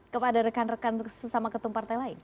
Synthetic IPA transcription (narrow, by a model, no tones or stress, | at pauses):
kəpadaɾəkanrəkansəsamakət̪umpart̪ajlaɪn